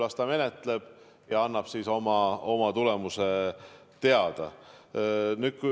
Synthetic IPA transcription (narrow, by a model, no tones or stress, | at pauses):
lɑst̪ɑme̞net̪ˑle̞b̥ | jɑɑnːɑb̥siːso̞mɑo̞mɑt̪ule̞muse | t̪e̞ɑd̪̥ɑ̰ | nyt̪̚ku